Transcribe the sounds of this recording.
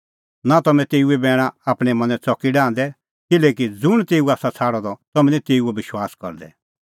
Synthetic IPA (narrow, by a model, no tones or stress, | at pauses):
nat̪ɐmɛ̃t̪eːuɛbɛːɽ̃aaːpɽ̃ɛmɐ̃nɛ̃t͡sɔkːiɖãːnd̪ɛ | kɪleːkid͡zʊɽ̃t̪eːuaːsat͡sʰaːɽɔd̪ɔt̪ɐmɛ̃nĩt̪eːuɛbɪʃwaːskɐ̰ɾd̪ɛ̰